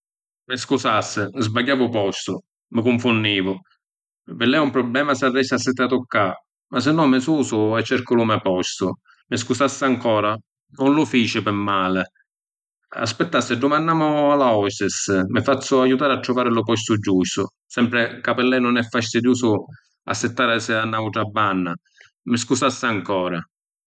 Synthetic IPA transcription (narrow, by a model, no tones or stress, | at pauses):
mɪskusasːɪzbaɟːaːvʊpɔst̪ʊ̰ | mɪkʊɱfʊnːiːvʊ | vɪlːɛumpɾɔblɛːmasɪad̪ɛsasːɛt̪ːɪat̪ːʊkːa | mas̬ɪnːɔmɪsuːsʊɛt͡ʃːɛɾkʊlʊmɛpɔst̪ʊ | mɪskusasːɪaŋkɔːɾa | nʊnlʊfiːt͡ʃɪpɪmːaːlɪ | a̰spɪt̪ːasːɪd̪ʊmanːaːmʊalaɔsɪsmɪfat̪sːʊajːut̪aːɾat̪ːɾʊvaːɾɪlʊpɔs̬t̪ʊd͡ʒːust̪ʊ | sɛmpɾɪkapɪlːɛjnʊnɛfːast̪id̪juːsʊ | a̰sːɪt̪ːaːɾɪsɪanːauʈ̪ɾabːanːa | mɪs̬kusasːɪaŋkɔːɾa